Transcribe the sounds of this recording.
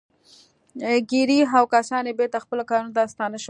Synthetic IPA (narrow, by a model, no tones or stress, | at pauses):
ɡiɾiɦawkasɑnebeɾt̪axpəlokɑɾunot̪ast̪ɑnəʃ